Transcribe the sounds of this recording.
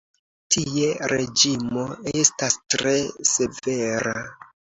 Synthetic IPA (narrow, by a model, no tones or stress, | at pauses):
tʰieɾe̞d͡ʒimo̞estastɾese̞ve̞ɾa